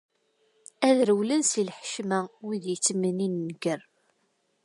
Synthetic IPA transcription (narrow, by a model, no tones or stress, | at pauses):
æðɾəwlənsilħə̥ʃmæwiðjət͡sːməninːəɡər